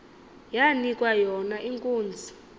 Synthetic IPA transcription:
janikʼwajɔnaʔiŋkʼuːnd͡zʱi

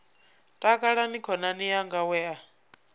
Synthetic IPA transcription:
tʼakʼaɺanikʰɔnanijaŋɡawɛːa

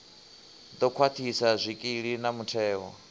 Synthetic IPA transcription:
d̪ɔkʰwat̪ʰisazʷikʼiɺinamutʰɛːwɔ̰

